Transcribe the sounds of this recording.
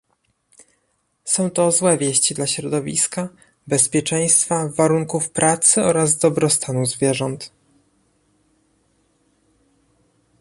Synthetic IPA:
sɔ̃w̃t̪ɔzwɛvʲjɛɕt͡ɕid̪laɕɾɔd̪ɔvʲḭska | bɛspʲjɛt͡ʂɛj̃st̪favaɾuŋkufpɾʔat̪sɘɔɾazd̪ɔbɾɔst̪anuzvʲjɛʐɔnt̪

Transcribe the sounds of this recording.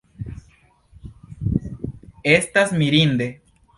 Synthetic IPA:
est̪asmiɾind̪e

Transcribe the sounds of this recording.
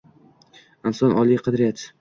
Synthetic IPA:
ansɒnʔɒlˠijqʰɑd̪ɾɪjat̪

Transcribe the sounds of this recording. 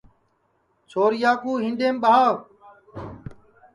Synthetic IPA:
t͡ʃʰoːɾɪjaːkuːɦĩːnɖeːmɓaː

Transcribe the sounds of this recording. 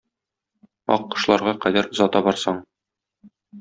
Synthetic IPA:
ɒ̰qːɤ̆ʃlˠɑɾʁɑqæd̪æɾ̆zɒt̪ɑbɒɾsɑɴ

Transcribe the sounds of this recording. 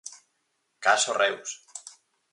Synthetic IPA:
kasorews

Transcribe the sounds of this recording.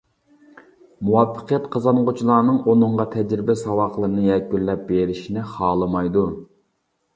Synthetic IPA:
muwɑfːə̥qʰijɛt̪qʰəzɑnʁʊt͡ʃʰilˠɑːnɨŋonɨɴʁɑt̪ʰɛd͡ʒɾɪbɛsɑwɑχlˠəɾɨnɨjɛkʲːyɾlɛp̚beɾɪʃinɪχɑːlˠɨmɑjd̪u

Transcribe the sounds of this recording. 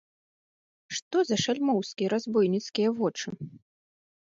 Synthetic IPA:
ʂt̪ɔzɐʂalʲmɔwskʲiɐɾazbujnʲit̪skʲijɐvɔt͡ʂɨ

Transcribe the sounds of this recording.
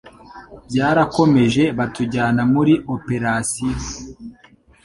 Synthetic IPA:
bɟaːɾako̞me̞ʒe̞βatuɟaːnamuɾiʔope̞ɾasi

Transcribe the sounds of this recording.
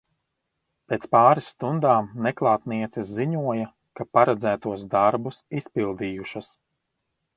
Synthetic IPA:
peːt̪spaːɾisːt̪und̪aːmnɛklˠaːt̪niɛt̪sisziɲuɔjɐ | kapaɾɛd̪zæːt̪uɔsd̪aɾbusispilˠd̪iːjuʃas

